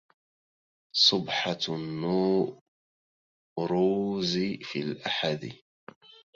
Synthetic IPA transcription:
sˤʊbħanːuː | ɾuːzifiːlʔaħad̪ɪ

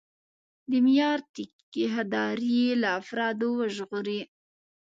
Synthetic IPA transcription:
d̪imjɑɾt̪ɪk | iɦad̪ɑɾielaːfɾɑd̪owəʒɣʊɾi

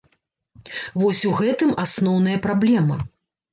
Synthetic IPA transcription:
vɔsʲuɣɛt̪ɨmasnɔwn̪ɐjɐpɾablʲɛmɐ

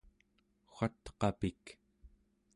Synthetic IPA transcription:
xʷat̪qɑpik

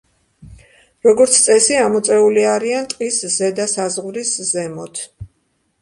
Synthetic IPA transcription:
ɾɔɡɔɾt̪sʰt̪sʼɛsiamɔt̪sʼɛuliaɾiant̪ʼqʼiszɛd̪asazʁvɾiszɛmɔt̪ʰ

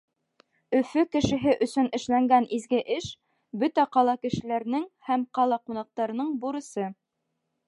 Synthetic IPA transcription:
ɵ̆fɵkɘ̆ʃɘ̆ɦɘʔɵ̆sɵnɘ̆ʃlæŋɡænizɡɘʔɘʃ | bɵt̪æqɑlˠɑkɘ̆ʃɘ̆læɾnɘŋhæmqɑlˠɑqunɑq̚t̪ɑɾɤ̆nɤɴbuɾɤ̆sɤ

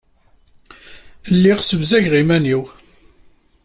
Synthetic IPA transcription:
lːiʁsəvzæʝʁimæniw

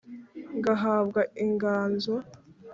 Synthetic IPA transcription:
ŋɡaɦaːβɡaiŋɡaːnza

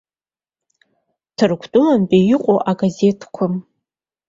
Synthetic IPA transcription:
tʰɨrkʷʰtʼʊmanpʼejɪqʷʼoʔaɡaze̞tʰkʷʰʊm

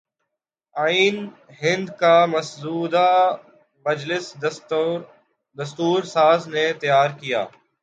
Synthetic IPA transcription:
aːiːn | ɦɪ̃nd̪kamɐszuːd̪a | mɐd͡ʒlɪs | d̪ɐst̪uːɾsaːznet̪ɐjaːɾkija̰ː

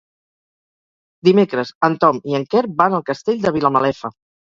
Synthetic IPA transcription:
d̪imekɾəzənt̪ɔmiəŋkɛɾbanəlˠkəst̪eʎʲd̪əβ̞iləməlɛfə

